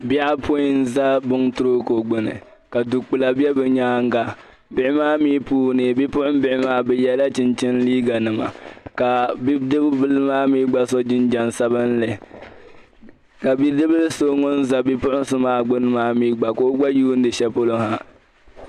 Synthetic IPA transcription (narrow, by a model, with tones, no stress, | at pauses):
bi˦a˦pʰo˦ji˦n˦za˦bʊ˦ŋtʊ˦ɾo˦ko˨ɡ͡bʊ˨nɨ̰˨ | ka˨du˨k͡pɨ˨la˨bɛ˦bɛ˨ɲaː˦ŋ˦ɡa˨ | bɪ˦˨ɪ˦maː˦miː˦puː˦nɨ˨bi˦pʊ˦ʔʊ˦m˦bɪ˨ʔɪ˦maː˦bɛ˨jɛ˦la˦t͡ʃɪ˦nt͡ʃɪ˦n˦liː˦ɡa˨nɨ˨ma̰˨ka˨bi˦dɨ˦bbɨ˦lmaː˦miː˦ɡ͡ba˦sɔ˦d͡ʒɪ˦nd͡ʒa˨nsa˦βɨ˦n˦lɛ˨ | ka˨bi˦dɨ˦bɨ˦lso˦ŋɔ˦n˦za˨bi˦pʊ˦ʔʊ˦n˦sɨ˦maː˦ɡ͡bʊ˦nɨ˦maː˦miː˦ɡ͡ba˨ko˦ɡ͡ba˦juː˦n̩˦dɨ˨ʃɛ˦po˦lo˦ha˦